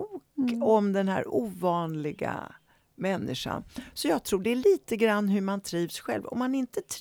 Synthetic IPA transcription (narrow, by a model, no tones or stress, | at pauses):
kɔmd̪ɛnhæ̰ːɾuːvɑːnlɪɡa̰ | mɛnːɪʂa̰nsɔjɑːɡ̚t̪ʰɾuːɖɛæɭiːt̪əɡɾanːɦɵɾmant̪ʰɾiːvsɧɛ̰lvɔ̰mːanɪnt̪ət̪ʰ